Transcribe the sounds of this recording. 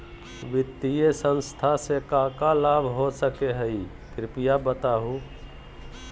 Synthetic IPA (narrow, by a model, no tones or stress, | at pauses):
ʋɪt̪ːijesə̃nst̪ʰasekakalabʱɦosəkeɦəi | kɾɪpijabət̪aɦũ